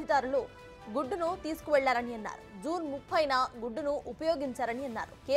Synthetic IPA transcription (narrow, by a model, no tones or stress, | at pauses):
id̪aːɾulu | ɡuɖːunut̪iːsu̥kuʋɛɭːaːɾɐniɐnːa̰ːɾud͡ʒuːnmupʰːɐjnɐɡuɖːunuʔupɐjo̞ːɡiɲt͡ʃaːɾɐniɐnːa̰ːɾukeː